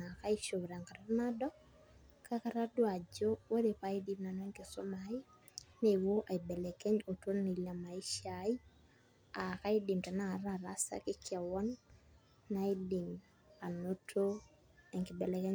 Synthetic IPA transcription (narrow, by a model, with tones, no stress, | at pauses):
a˨ka˦i˦ʃo˨βɾa˨ŋka˨ɾa˦ɾna˦dɔ˦k | ka˦ka˨ɾa˦dwa˨d͡ʒo˦wo˦de˨pa˦ɪ˦di˦mna˨nwɛ˦ŋkɪ˨so˦maɪ˦ | ne˨wo˦ʔa˨i˨bɛ˨lɛ˨kɛ˦ɲo˨to˦nni˨la˨ma˨i˦ʃa˨˦ɪ˦ | a˨ka˦i˦dɪ˨mta˨na˨ɾa˨ɾa˦sa̰˦kɪ˦kja˨wɔ˦nː | a˦ɪ˦dɪ˨m | a˨no˦tʰo˦ | ɛ˨ŋkɪ˨bɛ˨lɛ˨kɛ˦